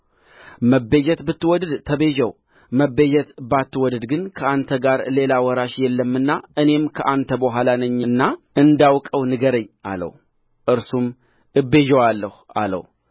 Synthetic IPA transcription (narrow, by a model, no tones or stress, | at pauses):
məbed͡ʒɛt̪bɨt̪ːɨwɔd̪ɨd̪t̪ʰəbeʒəw | məbed͡ʒɛt̪bat̪ːɨwɔd̪ɨd̪ɡɨnkʰəʔant̪ʰəɡaɾle̞lawɔɾaʃjɛlːəmːɨnːaʔɨne̞mkʰəʔant̪ʰəboɦalanəɲːɨnːaʔɨnd̪awkʼəwnɨɡəɾəɲːʔa̰lə̰w | ʔɨɾsum | ɨbːe̞ʒəwalːəhʔa̰lə̰w